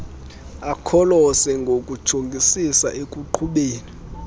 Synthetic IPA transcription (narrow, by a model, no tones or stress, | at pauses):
akʰɔlɔsɛŋɡʱokʼud̥ʒ̥ʱoŋɡʱisisaʔekʼuǃʰuɓeːni